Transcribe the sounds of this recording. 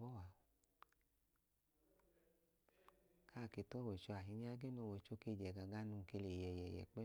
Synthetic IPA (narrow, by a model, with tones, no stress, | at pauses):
ɔ˦wa˨ | ka˦˨ke˧˨tɔ˦˨wɛ˨t͡ʃo˧a˨ɦi˨˧˦ni˦a˧˦ɡe˦no˧˨wɛ˨t͡ʃo˧˦ke˧˨d͡ʒɛ˨ɡa˨ɡa˦nũ˧ke˧le˨jɛ˨jɛ˨jɛ̰˨k͡pɛ˦